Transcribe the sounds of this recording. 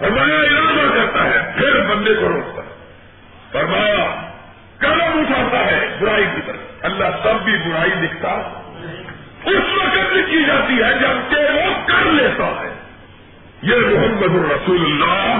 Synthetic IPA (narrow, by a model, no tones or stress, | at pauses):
ɐɾmajaɪlaːd̪akɐɾt̪aɦɛpʰɪɾbɐ̃nd̪ekoɾoːkt̪a̰ɦɛ | pɐɾmãː | kɐnapuːt͡ʃʰaːt̪aɦɛbʊɾaːikit̪əɾɐlːaɦsɐbːibʊɽaːilɪkʰt̪aɦɛ | ʊsʋɐkət̪̚bikid͡ʒaːt̪iɦɛd͡ʒɐbkeʋokɐɾleːt̪a̰ɦɛ̰̃ː | jeːmʊɦəmːəd̪ʊɾɐsuːlʊlːaː